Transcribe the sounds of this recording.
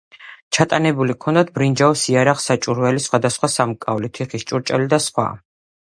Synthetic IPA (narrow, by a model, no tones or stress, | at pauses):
t͡ʃʰat̪ʼanɛbulikʰɔnd̪at̪̚ʰbɾind͡ʒaɔsiaɾaχsat͡ʃʼuɾvɛlisχwad̪asχwasamkʼavlit̪ʰiχist͡ʃʼuɾt͡ʃʼɛlid̪asχwa̰